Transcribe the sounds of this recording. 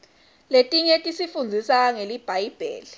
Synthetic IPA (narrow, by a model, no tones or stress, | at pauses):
letʼiŋetʼisifund͡zʱisaŋelib̥ʱajb̥ʱḛːli